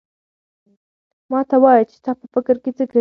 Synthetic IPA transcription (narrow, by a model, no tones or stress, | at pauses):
mɑt̪awɑjat͡ʃe̥t̪ɑpəfɪkəɾket͡səka